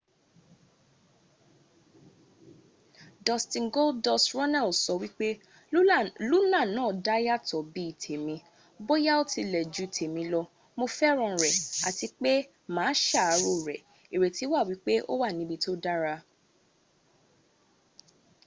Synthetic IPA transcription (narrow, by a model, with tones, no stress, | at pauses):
dɔ˨stĩ˨nɡo˦ldɔ˧sɾɔ˦nɛ˦˨lsɔ˧wi˦k͡pe˦ | lu˦lã˦˨nãː˦˨da˦ja˦˨tɔ˨bi˨˦i˦˨tʰe˨mĩ˧ | bo˦ja˦o˦ti˧lɛ˨d͡ʒu˨˦i˨tʰe˨mĩ˧lɔ˧ | mo˧fɛ˦ɾ̃ɔ̃˧˨ɾɛ˨a̰˨ti˧k͡pe˦ | mãː˨˦ʃa˦˨a˨˦ɾo˨ɾɛ˨ | i˨ɾe˨ti˨˦wa˦˨wi˨˦k͡pe˦ʔo̰˦wa˦˨nĩ˨˦bi˧to˦da˦ɾa˧